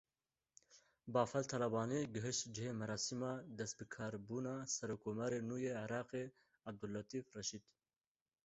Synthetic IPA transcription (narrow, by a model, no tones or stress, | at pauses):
bɑːfɐlt̪ʰɐlɐbɑːniːɡɨɦɨʃt̪d͡ʒɪɦeːmɐɾɑːsimɑːd̪ɛst̪̚bɨkʰɑːɾbuːnɑːsɐɾoːkʰːoːmaɾeːnuːjeːʕɪɾɑːqeː | ab̚d̪ulːɐt̪iːfrɛʃiːd̪